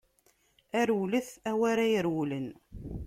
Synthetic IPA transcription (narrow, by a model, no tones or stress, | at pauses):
æɾwuləθæwæɾæjəɾwulən